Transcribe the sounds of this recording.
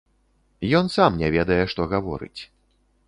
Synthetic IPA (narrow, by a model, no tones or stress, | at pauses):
jɔnsamnʲɛvʲɛd̪ɐjɛʂt̪ɔɣavɔ̰ɾɨ̰t͡sʲ